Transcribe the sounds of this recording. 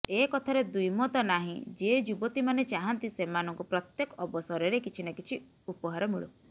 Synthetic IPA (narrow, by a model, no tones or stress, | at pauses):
ekɔt̪ʰaɾed̪ujmɔt̪ɔnaɦḭ̃d͡ʒed͡ʒubɔt̪imanet͡ʃaɦant̪isemanɔŋkupɾɔt̪jekɔɔbɔsɔɾɔɾekit͡ʃʰinakit͡ʃʰi | upɔɦaɾɔmuɭu